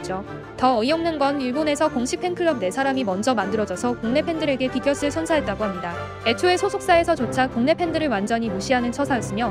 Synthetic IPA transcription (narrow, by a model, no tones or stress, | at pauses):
d͡ʑo | tʌːijʌŋnɯnɡʌniɭbone̞sʰʌkoŋɕʰik̚pʰe̞ŋkʰɯɭʌb̚ne̞sʰaɾamimʌnd͡ʑʌmandɯɾʌd͡ʑʌsʰʌkuŋne̞pʰe̞ndɯɾe̞ɡe̞kiɡjʌs͈ʰɯɭsʰʌnsʰaɦe̞t̚t͈aɡoɦamɲida | e̞t͡ɕʰoe̞sʰosʰok̚s͈ae̞sʰʌt͡ɕot͡ɕʰakuŋne̞pʰe̞ndɯɾɯɭwand͡ʑʌɲimuɕʰiɦanɯnt͡ɕʰʌsʰas͈ɯmjʌ